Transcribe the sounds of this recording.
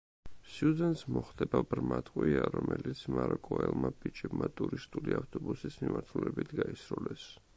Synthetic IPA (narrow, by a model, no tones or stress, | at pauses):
siuzɛnt̪ʼsmɔχd̪ɛbabɾmat̪ʼqʼwiaɾɔmɛlit̪sʰmaɾɔkʼɔɛlˠmabit͡ʃʼɛbmat̪ʼuɾist̪ʼuliaft̪ʼɔbusismimaɾt̪ʰulɛbit̪ʰɡaisɾulɛs